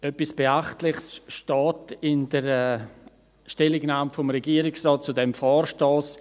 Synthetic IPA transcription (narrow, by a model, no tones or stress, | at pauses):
œpisb̥eaχtlɪχsʃtɔːtɪndəɾɛ | ʃtɛlɪɡnaːmfomɾɛɡiːɾɪksrɔːt̚t͡sudɛmfɔːɾʃtɔːs